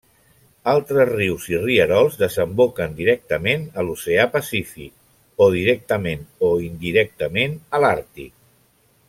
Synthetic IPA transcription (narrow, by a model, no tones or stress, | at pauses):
alˠt̪ɾəzriwziriəɾɔlˠzðəzəmbokənd̪iɾɛk̚t̪əmenəluseapəsifḭk̚ | oð̞iɾɛk̚t̪əmenoind̪iɾɛk̚t̪əmenəlaɾt̪ḭk